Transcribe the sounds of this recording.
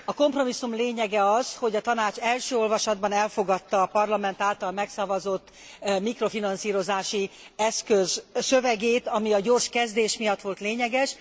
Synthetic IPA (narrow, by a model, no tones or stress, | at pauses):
ɒko̞mpro̞misːumleːɲɛɡɛɒzho̞ɟɒt̪ɒnaːt͡ʃɛlʃøːo̞lvɒʃɒd̪̚bɒnɛlfo̞ɡɒt̪ːɒːpɒrlɒmɛnt̪aːlt̪ɒlmɛksɒvɒzo̞t̪ː | mikro̞finɒnsiːɾo̞zaːʃi | ɛskøzsøvɛɡeːt̪ɒmiɒɟo̞ːrʃkɛzd̪eːʃmijɒt̪ːʋo̞lt̪leːɲɛɡɛʃ